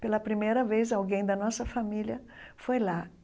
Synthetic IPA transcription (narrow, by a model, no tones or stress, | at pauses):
pelɐpɾimejɾɐvez̬awɡẽj̃d̪ɐnɔsɐfamiljɐfojla